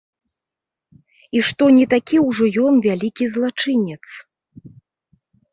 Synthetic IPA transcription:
iʂt̪ɔnʲit̪akʲiwʐɔjɔnvʲalʲikʲizlˠat͡ʂɨnʲɛt̪s

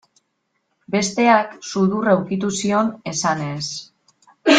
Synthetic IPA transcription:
be̞st̪e̞aksuðurawkit̪usio̞ne̞sane̞s

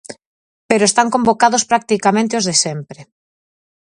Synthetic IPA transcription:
peɾoest̪aŋkombokaðospɾak̚t̪ikamẽnt̪eozðesempɾe

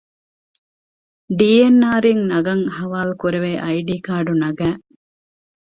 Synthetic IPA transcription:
ɖiːenːaːɾiŋnɐɡɐŋhɐʋaːlukuɾeʋeːʔɐjɖiːkaːɾɖunɐɡæː

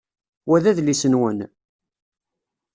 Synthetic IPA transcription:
wæðæðlisənwən

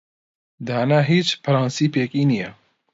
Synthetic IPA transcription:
d̪haːnaɦiːt͡ʃpʰɐɾɑːnsiːpeːkiːnijɛ

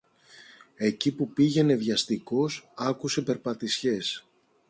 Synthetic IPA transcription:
e̞cipupiʝe̞ne̞vʝɐst̪iko̞sɐkuse̞pe̞ɾpɐt̪isçe̞s

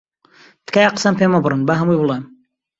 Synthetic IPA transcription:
d̪̥kajaqə̥sampʰemɐbɾɨnbaɦɐmujbɨlˠem

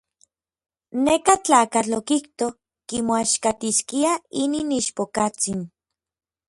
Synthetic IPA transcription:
nekat͡ɬaːkat͡ɬokiht̪o | kimoaʃkat̪iskiaininiʃpokat͡sin

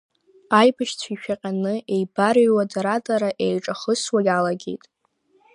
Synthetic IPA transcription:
ajbaʃt͡sʷʰiʃᶣaqʲʼanɨʔejbarɥwadaɾadʼaɾaʔejʈ͡ʂʼaχəswaɡʲalaɡʲe̞̰jtʼ

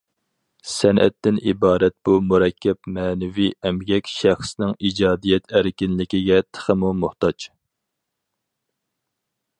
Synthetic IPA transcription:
sɛnʔɛ̰t̪ʰːɪnibɑːɾɛt̪̚b̥umuɾɛkʲʰːɛpmɛːnɪviɛmɡʲɛkʲʃæχsnɪŋid͡ʒɑːd̪ijɛt̪ʰæɾkʲinlɪkʲiɡʲɛt̪ʰə̥χəmumuχt̪ɑt͡ʃ

